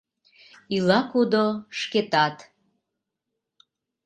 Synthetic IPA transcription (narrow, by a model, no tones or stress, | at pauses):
ilɑkud̪oʃket̪ɑt̪